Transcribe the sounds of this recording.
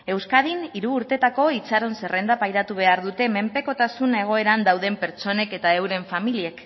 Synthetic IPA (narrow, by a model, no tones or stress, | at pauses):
e̞wskað̞iniɾuːɾt̪e̞t̪ako̞it͡saɾo̞nse̞re̞nd̪apajɾat̪uβ̞e̞aɾðut̪e̞me̞mpe̞ko̞t̪asune̞ɣ̞o̞e̞ɾand̪awð̞e̞mpe̞ɾt͡so̞ne̞ke̞t̪ae̞wɾe̞ɱfamilie̞k